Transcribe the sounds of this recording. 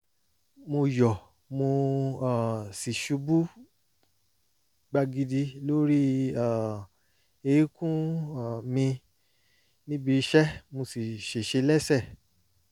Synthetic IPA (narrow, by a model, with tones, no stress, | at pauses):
mo˧jɔ˨ | mo˧a˨si˨ʃu˨˧˦bu˦ | ɡ͡ba˧ɡi˧di˧lo˦ɾi˦a˦˨ | e˧i˦kũ˦a˨mĩ˧ | nĩ˦bi˧˦ʃɛ˦mo˧si˨ʃe˨ʃe˧˦lɛ˦sɛ˦˨